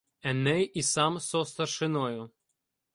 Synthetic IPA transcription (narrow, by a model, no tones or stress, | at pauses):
ɛnɛjisɑmsɔst̪ɐrʃɪnɔjʊ